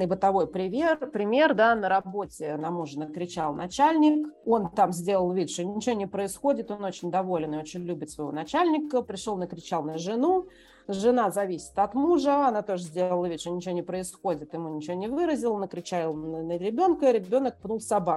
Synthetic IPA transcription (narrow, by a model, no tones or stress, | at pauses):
nəbɨt̪ɐvo̞jpɾʲɪmʲerpɾʲɪmʲe̞rd̪anəɾɐbo̞tʲɪnɐmuʐənəkɾʲɪt͡ɕalˠnɐt͡ɕælʲnʲɪko̞nt̪amzʲdʲe̞lˠəlˠvʲit̪ʲʂonʲɪt͡ɕɪvonʲɪpɾəɪsxo̞dʲɪt̪o̞no̞t͡ɕɪnʲd̪ɐvo̞lʲɪnɨo̞t͡ɕɪnʲlʲubʲɪt̪svəjɪvo̞̰nɐt͡ɕælʲnʲɪkəpɾʲɪʂolˠnəkɾʲɪt͡ɕalˠnəʐɨnu | ʐɨnazɐvʲisʲɪ̥t̪ɐt̪muʐəɐnat̪o̞ʐəzʲdʲe̞lˠəlˠəvʲit̪ʲʂonʲɪt͡ɕɪvonʲɪpɾəɪsxo̞dʲɪt̪jɪmunʲɪt͡ɕɪvonʲɪvɨɾəzʲɪlˠnəkɾʲɪt͡ɕælˠnəəɾʲɪbʲo̞nkəɾʲɪbʲo̞nək̚pnulˠsɐbak